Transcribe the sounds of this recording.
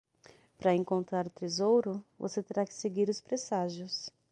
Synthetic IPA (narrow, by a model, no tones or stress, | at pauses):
pɾɐẽŋkõnt̪ɾaɾt̪ezowɾʊvo̰set̪eɾakɪ̥seɡiɾʊspɾesaʒjʊs